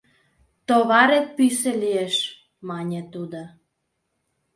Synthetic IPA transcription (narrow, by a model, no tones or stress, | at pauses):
t̪oβɑɾet̪̚pyselieʃ | mɑnʲet̪ud̪o